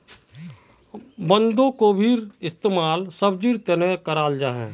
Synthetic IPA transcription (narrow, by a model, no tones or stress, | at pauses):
bə̃nd̪õkobʱiːɾɪst̪eːmaːlsəbd͡ʒiːɾt̪enekəɾaːld͡ʒaːɦɛ̰̃ː